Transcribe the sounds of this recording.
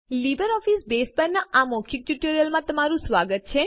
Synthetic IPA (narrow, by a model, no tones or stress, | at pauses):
libəɾɔfisbespəɾnaʔamɔkʰik̚ʈuʈoɾijəlmãt̪əmaɾũsʋaɡət̪̚t͡ʃʰe